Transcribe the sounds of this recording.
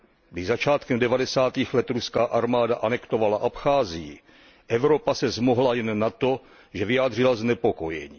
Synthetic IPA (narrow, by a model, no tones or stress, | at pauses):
ɡdɪzat͡ʃaːt̪kɛmdɛvadɛsaːt̪iːxlɛt̪ɾuskaːʔaɾmaːdaʔanɛkt̪o̞valaʔapxaːzɪjɪ | ʔɛvɾo̞pasɛzmoɦlajɛnːat̪o̞ | ʒɛvɪjaːd̪r̝ɪlaznɛpo̞ko̞jɛ̰ɲiː